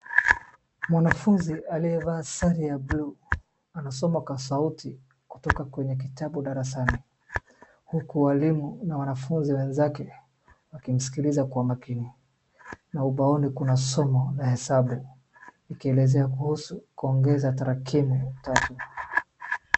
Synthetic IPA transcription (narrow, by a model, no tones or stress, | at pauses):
mwanafunzialiɛvaːsaɾiablu | anasɔmakwasautʰi | ku̥tɔkakwɛɲɛk̬itaɓuɗaɾas̬ani | hukuwalimunawanafunziwɛnzakɛ | wakim̩si̥kilizakuamakini | nauɓaɔnikunasɔmɔlahɛsaɓu | nikiɛlɛzɛakuhusukuɔŋɡɛzataɾakʰimutatu